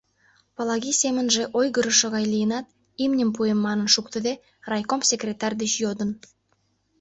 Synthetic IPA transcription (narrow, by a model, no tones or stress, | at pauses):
palˠɑɡʲisʲemə̆nʒeʔojɡə̆ɾə̆ʃə̆ʁɑjlʲiənɑt̪̚ | imnʲimpujemːɑnənʃukt̪ə̆d̪e | rɑjkomsʲekrʲet̪arʲd̪iʃjod̪ə̆n